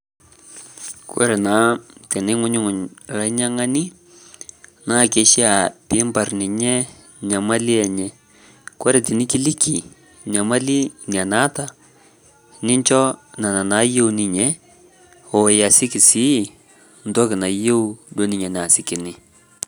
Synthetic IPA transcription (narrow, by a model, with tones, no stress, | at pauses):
kwɛ̰˦ɾɛ˨na˨˦tɛ˨nɪ˦ŋʊ˦ɲʊ˦ŋʊ˨la˦ɲa˦ŋa˦nɪ˦ | na˦˨ke˨˦ʃi˦a˨pɪ˦mba˨rnɪ˨ɲɛ˦ | ɲa˨ma˦lɪ˦ɛ˨ɲɛ˦ | kwɛ˦ɾɛ˨tɪ˨nɪ˦kɪ˦lɪ˦ki˨ | ɲa˨ma˦lɪ˦ŋ˨a˨na˦ta˨ | nɪ˦ɲt͡ʃɔ˦na˨na˨na˨˦je˦u˦nɪ˨ɲɛ˦ | ɔ˨ja˨sɪ˦kɪ˨sɪ˦˨ | n̩˦dɔ˦kɪ˨na˨je˦u˦do˦nɪ˨ɲɛ˨n˨a˨sɪ˨kɪ˨nɪ˦